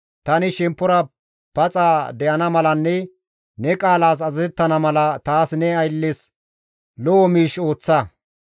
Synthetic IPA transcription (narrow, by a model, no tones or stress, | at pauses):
t̪ɐnɪʃɛmpːɔɾɐ | pɐt͡sʼaːd̪ɛʔɐnɐmɐlɐnːɛ | nɛkʼaːlaːs̬ɐzɐzɛt̪ːɐnɐmɐlɐt̪aːsnɛɐjlːes | lɔʔɔmiːʃo̞ːt͡sːɐ